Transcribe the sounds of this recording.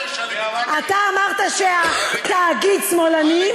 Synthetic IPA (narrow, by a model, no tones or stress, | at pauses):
at̪aːmaʁt̪aʃeat̪aːɡidsmolani